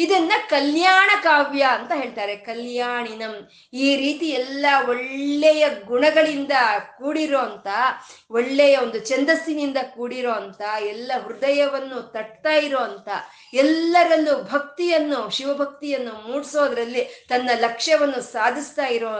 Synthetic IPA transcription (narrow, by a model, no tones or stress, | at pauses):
id̪ɐnːɐkɐljaːɳɐkaːʋjɐɐnt̪ɐɦe̞ːɭt̪aːɾe̞kɐljaːɳinɐm | iːɾiːt̪iɛlːɐɔɭːɛjɐɡuɳɐɡɐɭind̪ɐkuːɽiɾo̞ːɐnt̪ɐoɔɭːɛjɐo̞nd̪ut͡ʃɛnd̪ɐsinind̪ɐkuːɽiɾo̞ːɐnt̪ɐɛlːɐʋɾud̪ɐjɐʋɐnːut̪ɐɽt̪aːjiɾoːɐnt̪ɐ | ɛlːɐɾɐlːubʱɐk̚t̪ijɐnːuʃiʋɐbʱɐk̚t̪ijɐnːumuːɽsoːd̪ɐɾɐlːit̪ɐnːɐlɐkʂɐʋɐnːusaːd̪ʱist̪aːjiɾoː